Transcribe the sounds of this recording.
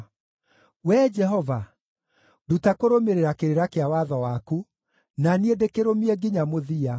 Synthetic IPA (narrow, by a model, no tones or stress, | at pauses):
wɛd͡ʒɛɦɔva | dutakoɾomeɾeɾakeɾeɾakeawaðɔwaku | naniedekeɾomiɛɡiɲamoðia